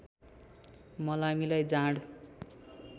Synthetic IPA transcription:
mʌlamilajd͡zaɽ

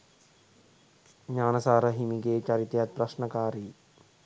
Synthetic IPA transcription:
ɲaːnəsaːɾəɦimiɡeːt͡ʃaɾit̪ejat̪̚prasɳəkaːɾi

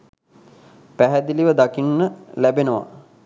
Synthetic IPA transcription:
pæɦæd̪iliʋəd̪akinːəlæbenəʋa̰

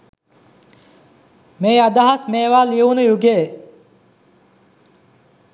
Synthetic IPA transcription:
meːad̪aɦasmeːʋaːliəunəjuɡeː

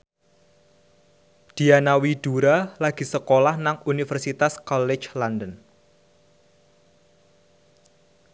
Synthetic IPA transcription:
d̪̥i̤anawid̪̥uɾalaɡ̥i̤səkolahnaŋunifərsit̪askɔlɪt͡ʃlandən

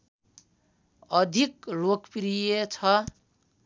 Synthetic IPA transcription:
ʌd̪ʱikrokpɾijet͡sʰʌ

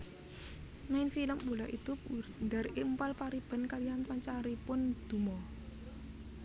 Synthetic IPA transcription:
naɪnfiləmbolaʔit̪ʊp̚und̪aɾempalpaɾib̥a̤nkalianpaɲt͡ʃaɾipʊnd̪̥ṳmɔ

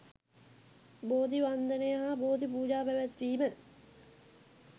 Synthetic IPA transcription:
boːd̪iʋand̪ənejəɦaboːd̪ip̬uːd͡ʒaːpæʋæt̪ʋiːmə

